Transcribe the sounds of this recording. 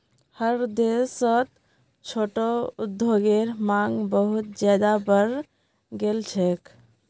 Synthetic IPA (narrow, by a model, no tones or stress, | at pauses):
həɾd̪esət̪ | t͡ʃʰoʈoud̪ʱoɡeɾmaŋɡbəɦut̪̚d͡ʒjad̪abəɾ | ɡelt͡ʃʰɛk